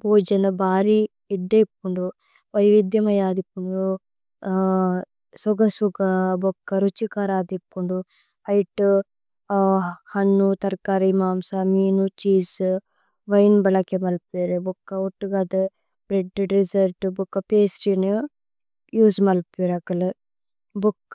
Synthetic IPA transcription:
bʱoːd͡ʒɐnɐbʱaːɾi | iɖːeikːuɳɖu | ʋɐjʋid̪jɐmɐjaːd̪ikːuɳɖu | suɡɐsuɡɐbɔkːɐɾut͡ʃikaːɾaːd̪ikːuɳɖu | hɐjʈu | hɐnːut̪ɐɾkaːɾimaːmsɐmiːnut͡ʃiːs | ʋɐjnbɐlɐkemɐlpeːɾebukːɐoʈːuɡad̪ɨ | bɾeɖɾisɐɾʈbukːɐpeːsʈin | juːsmɐlpeɾɐkɐle | buk

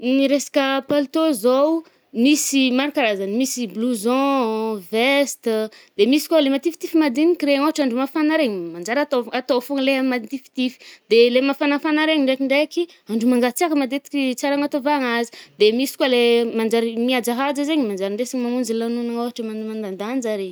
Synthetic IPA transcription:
ɾesḁkəpalt̪ozow | misimaɾukaɾazanimisibluzɔ̃vest̪d̪̥emisi̥kwalemat̪ifi̥t̪ifimad̪inikiɾeŋoɦaʈ͡ʂaɳɖ͡ʐumafanaɾeɲimand͡ʒaɾat̪oat̪ofoŋleammad̪it̪ifi̥t̪ifi̥d̪elemafanafanaɾeɲiɳɖ͡ʐekiɳɖ͡ʐeki | aɳɖ͡ʐumaŋɡat͡siakəmad̪et̪i̥kʲit͡saɾaŋat̪ovaŋazi̥d̪emisi̥kwalemand͡ʒaɾimiad͡ʒaɦad͡zəzeɲimand͡ʒaɾiɳɖ͡ʐesiɲimamund͡ʒilanunaŋoɦaʈ͡ʂəmamand̪and̪and͡ʒaɾe

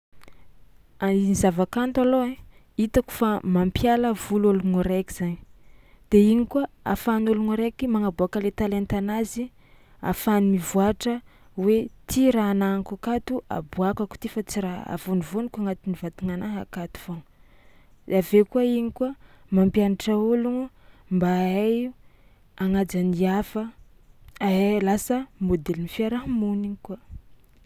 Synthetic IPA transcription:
ainizavakant̪aloe | it̪aku̥famampjaləvuloluŋuɾekiz̥aɲi̥ | d̪̥eiɲikuaa̰fanuluŋuɾekimaŋabuakəlet̪alent̪anazi | a̰fanimivuaʈ͡ʂə | wet̪ʰiɾaːnaŋkakat̪uʔa̰buakaku̥t̪ifat͡siɾaa̰vonivonikʷaŋat̪inivat̪uŋanaɦa̰kat̪u̥v̥on | avekuaiɲikuamampianaʈ͡ʂauluŋumbaaj | aŋad͡zaniafə | aelasəmod̪elinifiaɾaɦmuniŋika

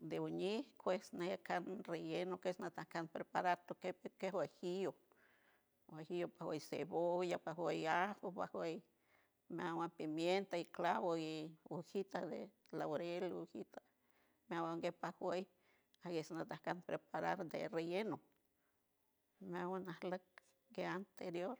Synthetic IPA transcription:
d̪euɲihkʰwesnejakanrejenokesnat̪ahkanpɾepaɾaɾt̪okepekehwehijo | wehijopahwejsḛβojapahwejahopa̰hwej | meawampimjent̪aiklaβoiuhit̪ad̪ḛ | lawoɾeluhit̪a | meawaŋɡepahwej | aɡesnat̪ahkanpɾepaɾa̰ɾd̪ḛrejeno | meawanahlak̚ | ɡeant̪eɾjoɾ

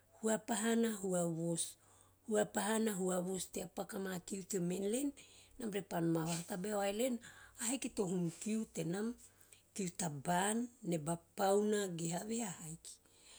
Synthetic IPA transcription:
huapaɦanaɦuaβo̞s | huapaɦanaɦuaβo̞steapakamakiutemenlenːamɾepanmaβahatabeoajle̞nahekito̞ɦumkiute̞nam | tiutabanːe̞bapawnaɡeɦaβeahajki̥

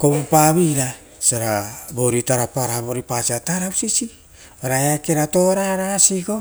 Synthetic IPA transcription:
kopaβiɾa | saɾabo̞ɾitaɾapaɾaβo̞ɾipasiataɾawsisi | baɾaeakeɾato̞ɾaɾasiɡo̞

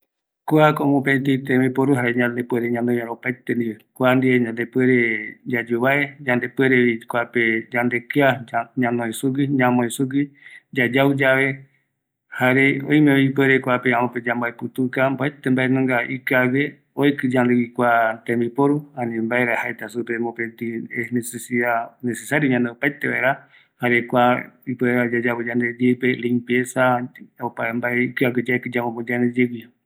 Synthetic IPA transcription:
kuakõmõpet̪it̪ẽmĩpoɾuɦaɾeɲãnd̪epweɾeɲãnd̪eɲaɾopajt̪end̪iekʷand̪ieɲãnd̪epweɾed͡ʒad͡ʒuβaed͡ʒãnd̪e̞peɾeβikuaped͡ʒãnd̪e̞kɨaɲãnõẽsuɡiɲãmõẽsuɡid͡ʒad͡ʒaud͡ʒaβe̞ | haɾeo̰j̃meoipeɾekʷapeãmõped͡ʒambaepɨt̪ukamboet̪embaenõŋɡaikɨaβe | oekɨd͡ʒanlewikʷat̪ẽmbipoɾuãnĩmbaeɾahaet̪asupemopent̪ienesesiðanesesaɾjoɲãnd̪eopaet̪eβa̰eɾa | haɾekʷaipweeɾad͡ʒad͡ʒaβod͡ʒand̪edepelimpjesaopaembaeikaɡed͡ʒaekɨd͡ʒamõmod͡ʒand̪ed͡ʒewia

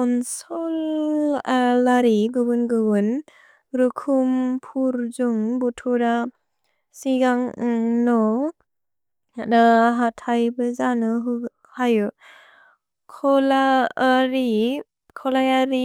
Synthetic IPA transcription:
kɔnsɔl | alaɾiɡɯbɯnɡɯbɯn | ɾukʰumpʰuɾzuŋbutʰuɾa | siɡaŋnɔ | daɦatʰajbɯzanɯɦ | hajɯ | kʰɔlaɾi | kʰɔlajaɾi

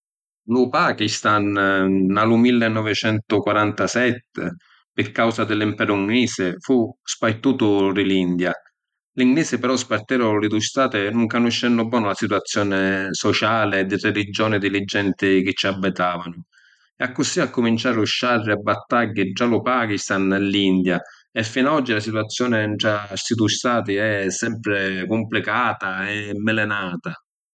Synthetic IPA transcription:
lʊpaːkist̪anː | alʊmilːɪnːɔvɪt͡ʃɛnt̪ʊkwaɾant̪asɛt̪ːɪ̰ | pɪrkawsad̪ɪlːimpɛːɾʊuŋɡliːsɪfuspajt̪uːt̪ʊrɪlind̪ja | liŋɡliːsɪpɛɾɔspart̪ɛːɾʊlɪd̪ust̪aːt̪ɪnuŋkanʊʃːɛnːʊbːɔːnʊlasit̪wat̪sːjɔːnɪsɔt͡ʃaːlɪd̪ːirelid͡ʒːɔːnɪd̪ilɪd͡ʒːɛnt̪ɪk̟ɪt͡ʃːiabːɪt̪aːvanʊ | ɛakːʊsiakːʊmint͡ʃaːɾuʃːarːɪabːat̪ːaɡːɪd͡ʒːalʊpaːk̟ist̪anɛlːind̪ja | ɛfːinaɔd͡ʒːilasit̪uat̪sːjɔːnɪɳʈassid̪ust̪aːt̪̬ɪɛsːɛmpɾɪkumplikaːt̪aɛmːɪlɛnaːt̪a

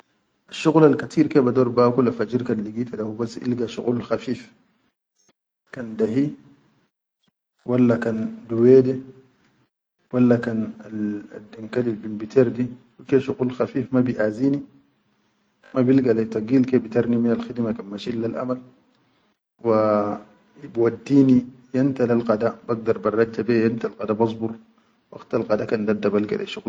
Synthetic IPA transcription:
ʔaʃːuɣlalkat̪ʰiːɾkebadoːɾbaːkulafad͡ʒiɾkanliɡiːt̪adahubasːʔḭlɡaʃṵɣulxafiːf | kandaɦi | walːakanduweːde | walːakanala̰dːiŋkalilbinbit̪ʰeɾdi | wikeʃuɣulxafiːfmabiʔaziːni | mabilɡalet̪ɑɡiːlkebit̪aɾˤniminalxid̪makanmaʃilːalʔa̰mal | wa | bwadːiːnijant̪alalqad̪abaɡ̚d̪ɑɾˤbɑrˤːɑd͡ʒːabejant̪alqɑd̪abɑsˤbuɾ | wa̰ɡt̪alqɑd̪akand̪ad̪ːabalɡa̰lʔḛʃuɣ

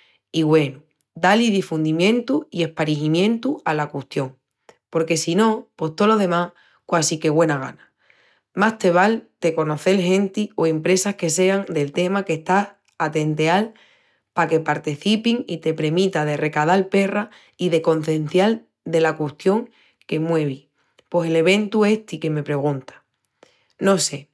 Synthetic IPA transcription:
iɣwe̞nu | d̪aliðifund̪imjẽ̞nt̪uie̞hpaɾiɦimjẽ̞nt̪ualakust̪jo̞ŋ | po̞ɾke̞sinõ̞po̞ht̪o̞lo̞ðe̞mah | kwasike̞ɣwe̞naɣ̞a̰na | mast̪e̞β̞alt̪e̞ko̞no̞θe̞lɦẽ̞nt̪ioe̞mpɾe̞sahke̞se̞aŋd̪e̞lt̪e̞make̞ht̪as | at̪e̞nt̪e̞al | pake̞paɾt̪iθipiŋit̪e̞pɾe̞mĩt̪að̞e̞re̞kað̞alpe̞ra | iðe̞ko̞n̟θẽ̞n̟θjal | d̪e̞lakwust̪jo̞ŋ | ke̞mwe̞β̞i | po̞se̞le̞β̞e̞nt̪ue̞ht̪ike̞me̞pɾe̞ɣ̞ũnt̪ḁ | no̞se̞

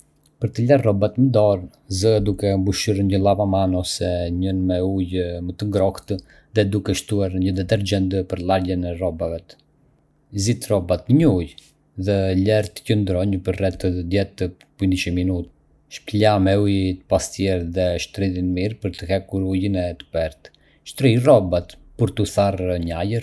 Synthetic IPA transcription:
pəɾt̪əlarrɔbat̪ənd̪ɔɾən | zəad̪ukɛmbuʃuɾɲəlˠavamanɔsɛɲənmɛujmət̪əŋɡɾɔkt̪ə | ðɛd̪ukɛʃt̪uaɾɲəd̪ɛt̪ɛɾd͡ʒɛnd̪əpəɾlˠaɾjənɛrɔbavɛt̪ | zit̪rɔbat̪ɲəuj | ðɛlɛɾt̪ə̥cənd̪ɾɔɲpəɾrɛt̪əd̪jɛt̪ə | puniʃəminut̪ | ʃplamɛujt̪ə̥past̪jɛɾðɛʃt̪ɾiðinmiɾpəɾt̪əhɛkuɾujinɛt̪ə̥pɛɾt̪ | ʃt̪ɾijrɔbat̪pəɾt̪uθarɲajəɾ

